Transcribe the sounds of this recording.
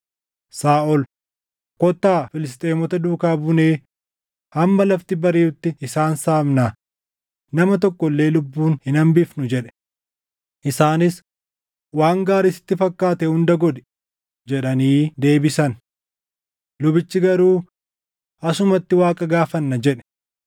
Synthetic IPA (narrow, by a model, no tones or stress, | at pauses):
saːʔɔl | kɔt̪ːaːfɪlɪs̬t̪ʼe̞ːmɔt̪ɐd̪uːkaːbʊne̞ː | hɐmːɐlɐft̪ɪbɐɾiːʊt̪ːɪɪsaːnsaːmna | nɐmɐt̪̬ɔkːɔlːe̞ːlʊbːuːnhɪnɐmbɪfnʊd͡ʒɛᶑɛ̥ | ʔɪsaːnɪs | waːŋɡaːɾɪsɪ̥t̪ːɪfɐkːaːt̪ɛhʊnd̪ɐɡɔd̪ɛ̥ | d͡ʒɛᶑɐniːd̪e̞ːbɪsɐn | lʊbɪt͡ʃːɪɡɐɾuː | ɐsʊmɐt̪ːɪwaːkʼɐɡaːfɐnːɐd͡ʒɛᶑɛ̥